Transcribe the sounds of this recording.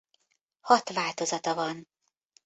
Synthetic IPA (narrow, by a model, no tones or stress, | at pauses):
hɒt̪vaːlt̪o̞zɒt̪ɒvɒn